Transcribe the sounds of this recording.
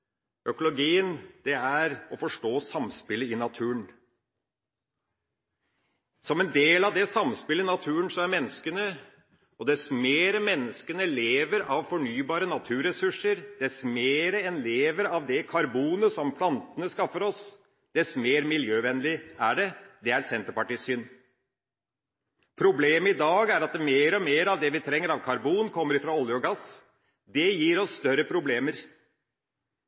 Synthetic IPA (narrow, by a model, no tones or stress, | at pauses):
ʔœkʊlʊɡiːənd̪̥ɛæɾɔfɔʂʈoːsɑmspɪləɪnɑt̪ʰʉːəɳ | sɔmɛnd̪eːlɑʋd̪ɛsɑmspɪləɪnɑt̪ʰʉːənsɔæɾmɛnːəskənə | ɔd̪ɛsmeːɾəmɛnːəskənəleːʋəɾɑʋfɔɳyːbɑːɾənɑt̪ʰʉːɾɛsʉʂəɾd̪ɛsmeːɾəɛnleːʋəɾɑʋd̪ɛkʰɑɾbuːnəsɔmpʰlɑnt̪ənəskɑfːəɾɔs | d̪̥ɛsmeːɾmɪljøːʋɛnlɪæɖɛd̪ɛæɾsɛnt̪əɾpɑʈiːsːʏn | pʰɾʊbleːməɪd̪ɑːɡæɾɑt̪meːɾɔmeːɾɑʋd̪ɛʋɪt̪ʰɾɛŋːəɾɑʋkʰɑɾbuːnkʰɔmːəɾɪfɾɑɔljəɔɡɑs | d̪ɛjiːɾɔsst̪œɾəpʰɾʊbleːməɾ